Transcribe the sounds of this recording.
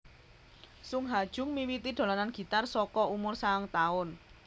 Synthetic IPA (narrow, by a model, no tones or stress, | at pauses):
suŋɦad̥ʒ̥ʊ̤ŋmiwit̪idɖ̪̥o̤lananɡ̥i̤t̪arsɔkɔumʊrsaŋt̪aʊn